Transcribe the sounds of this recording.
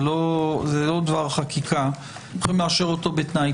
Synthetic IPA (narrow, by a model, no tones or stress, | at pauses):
lozelo̞d̪vaʁχakʰikʰa | oχimleaʃeʁo̞t̪o̞bet̪naj